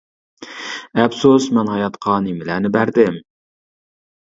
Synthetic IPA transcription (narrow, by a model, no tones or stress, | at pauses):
ɛbsusmɛnhɑjɑt̪qʰɑnɪmɪlænɪbæɾd̪ɪm